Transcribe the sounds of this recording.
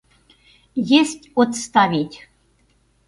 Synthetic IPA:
jesʲtʲot̪st̪ɑvʲitʲ

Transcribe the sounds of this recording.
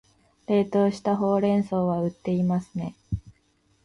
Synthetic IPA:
ɾe̞ːt̪o̞ːɕi̥t̪aɦo̞ːɾẽ̞ɰ̃so̞ːβaɯ̟t̪ːe̞imasɨ̥ne̞

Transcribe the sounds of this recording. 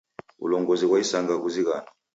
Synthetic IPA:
ṵlɔŋɡɔzikwaisaŋɡak̬uzik̬aːna

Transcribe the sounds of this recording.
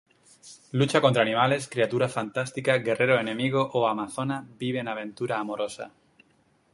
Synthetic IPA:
lut͡ʃako̞nt̪ɾanĩmale̞skɾiat̪uɾafant̪ast̪ikaɡe̞rʔe̞ɾoenẽ̞miɣ̞o̞ʔoamaθo̞nabiβe̞ːnaβ̞ẽ̞nt̪uɾaːmo̞ɾo̞sa̰

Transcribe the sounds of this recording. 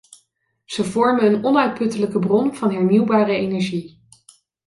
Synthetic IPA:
z̥əvɔɹmənənɔnœɥt̚pɵtələkəbrɔnv̥ɑnɦɛɹniwbaːrəejnɛɹʒi

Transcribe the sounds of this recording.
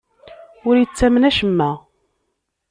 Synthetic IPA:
ʊɾjət͡sːæmnæʃəmːæ

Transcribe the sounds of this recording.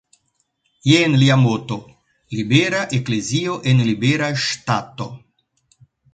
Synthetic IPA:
jenliamot̪o | libeɾaʔeklezioʔenlibeɾaʃt̪at̪o

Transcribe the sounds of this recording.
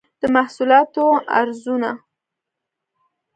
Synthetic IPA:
d̪̥əmahsulɑt̪oa̰ɾzuna

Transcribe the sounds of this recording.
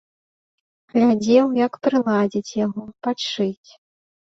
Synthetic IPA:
ɣlʲad͡zʲɛwjɐkpɾɨlˠad͡zʲit͡sʲjaɣɔpat͡ʂɨt͡sʲ

